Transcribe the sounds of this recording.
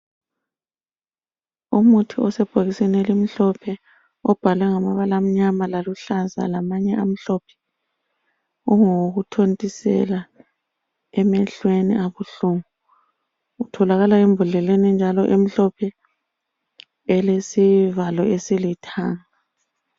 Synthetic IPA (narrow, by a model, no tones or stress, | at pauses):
umutʰiɔsɛb̥ʱoɣisɛnelim̩ɬɔpʰɛ | ɔb̥ʱalwɛŋamaβalam̩ɲamalaluɬaza̰lamaɲɛʔam̩ɬɔpʰɛ̥ | uŋoɣutʰontʼisɛ̰la | ɛmɛɬweniʔaβuɬuŋuː | tʰɔlaɣalaemvʱuɮɛlenind͡ʒʱalɔʔem̩ɬɔpʰɛ | ɛlesivalɔesilitʰaːŋa